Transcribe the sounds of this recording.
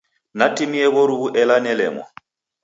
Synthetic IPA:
natʼimiɛβɔɾuβuʔɛlanɛlɛ̰ːŋɔ̰

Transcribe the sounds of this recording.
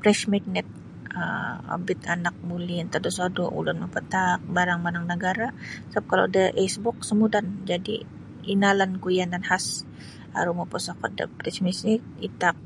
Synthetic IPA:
pɾɛʃmɛk̚nɛt̪̚ | ə̰o̰bɪt̪a̰nak̚muliant̪adosodɔ̰ʔṵlʊnməpət̪ak̚baɾaŋmanaŋnəɡaɾasap̚kalo̰daʔɛsbɔk̚səmudand͡ʒadḭ | inalankujandanhas | a̰ɾumɔpɔsakɔt̪̚də̰pɾɛt͡ʃmisik̚it̪ak̚

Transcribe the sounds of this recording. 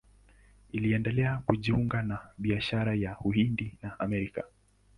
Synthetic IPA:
iliɛndɛlɛakuʄiuŋɡanaɓiaʃaɾajahuhindinaʔamɛɾika̰

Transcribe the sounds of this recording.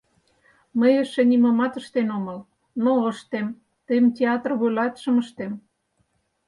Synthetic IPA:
məjəʃĕnʲimɑmɑt̪ə̆ʃt̪enomɤ̆l | noəʃt̪em | t̪əjmtʲeɑt̪rβølɑt̪ʃə̆məʃt̪em

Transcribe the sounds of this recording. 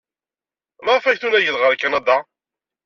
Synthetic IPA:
mɑʁfæçθunæjəðʁəɾkːænɑd̪ɑ

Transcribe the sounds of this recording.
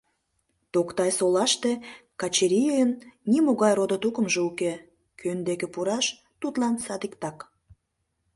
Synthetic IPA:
t̪okt̪ɑjsolɑʃt̪e̽kɑt͡ɕeɾʲijəjənːimoɣɑjrod̪ot̪ukəmʒeuke | kʰønd̪ekĕpuɾɑʃ | t̪ut̪lɑnsɑd̪ikt̪ɑk

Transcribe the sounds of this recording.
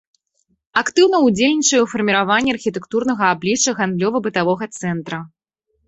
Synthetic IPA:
akt̪ɨwn̪ɐud͡zʲelʲnʲit͡ʂɐjufɐrmʲiɾavanʲːɛɐrxʲit̪ɛkt̪urnɐɣɐablʲit͡ʂɐɣand̪lʲɔvɐbɨt̪avɔɣɐt̪sɛnt̪ɾɐ

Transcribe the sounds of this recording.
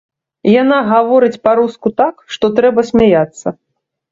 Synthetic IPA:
janaɣavɔɾɨt͡sʲpaɾuskut̪akʂt̪ɔt̪ɾɛbɐsʲmʲajat̪sːɐ

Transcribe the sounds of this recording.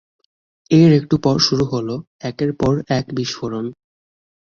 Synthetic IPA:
eɾek̚ʈupɔɾʃuɾuɦolo | ɛkeɾpɔɾɛkbiʃfoɾon

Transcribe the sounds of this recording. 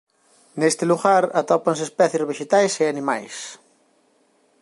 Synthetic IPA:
nest̪ɪluɣaɾat̪ɔpaŋsespɛθjozβeʃet̪ajseanima̰js

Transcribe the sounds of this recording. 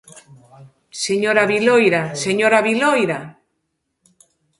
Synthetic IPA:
seɲoɾaβilojɾaseɲoɾaβilojɾa

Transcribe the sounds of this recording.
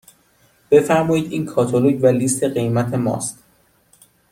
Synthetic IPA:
b̥e̞fæɾmɒːjiːd̪iːnkʰɒːt̪ʰoloɟvæliːst̪ʰe̞ɢe̞jmæt̪ʰe̞mɒ̰ːst̪

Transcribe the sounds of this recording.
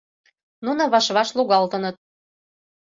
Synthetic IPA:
nunŏβɑʃβɑʃluɣɑlt̪ɤ̆nɤt̪̚

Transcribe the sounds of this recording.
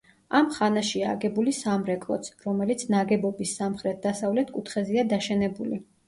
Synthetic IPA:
amχanaʃiaːɡɛbulisamɾɛkʼlˠɔ̰t̪sʰɾɔmɛlit̪sʰnaɡɛbɔbisːamχɾɛt̪̚ʰd̪asavlɛt̪ʰkʼut̪ʰχɛziad̪aʃɛnɛbuli

